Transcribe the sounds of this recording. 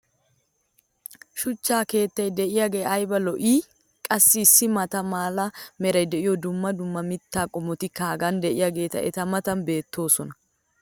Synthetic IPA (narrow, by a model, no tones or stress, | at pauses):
ʃʊt͡ʃːaːke̞ːt̪ːɐjd̪ɛʔɪjaːɡe̞ːɐjbɐlɔʔiː | kʼɐsːɪːsːɪmɐt̪ɐmaːlɐmɛɾɐjd̪ɛʔɪjɔd̪ʊmːɐd̪ʊmːɐmɪt̪ːaːkʼɔmɔt̪ɪkaːɡɐnd̪ɛʔɪjaːɡe̞ːt̪ɐ̰ɛ̰t̪ɐmɐt̪ɐnbe̞ːt̪ʰːo̞ːsɔnɐ